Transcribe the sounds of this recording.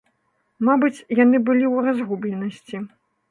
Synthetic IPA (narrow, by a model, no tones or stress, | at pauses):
mabɨt͡sʲjanɨbɨlʲiwrazɣublʲɛnɐsʲt͡sʲi